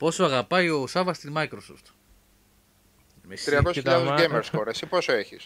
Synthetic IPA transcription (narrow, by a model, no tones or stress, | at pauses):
po̞soɐɣɐpɐjo̞sɐvɐst̪imɐjkɾosoft̪ | t̪ɾiɐkosuçiʎauzɡejmeɾskoɾesiposoeçis